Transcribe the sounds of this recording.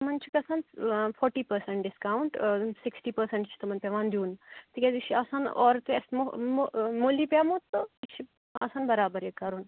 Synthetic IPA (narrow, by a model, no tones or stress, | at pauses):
mɐnt͡ʃʰikɐsaːnpʰɔːɾʈiːpɐɾseɳʈɖɪskaːuɳʈsɪksʈiːpɐɾsẽɳʈt͡ʃʰi̥t̪ɐmɐnpʲeʋaːnd̪uːnt̪ʰikʲed̪iʃʰiaːsaːnɔ̰ːɾt̪uɐsmomomoliːpʲjaːmot̪ːoit͡ʃʰi | a̰saːnbɐɾaːbɐɾjekɐɾun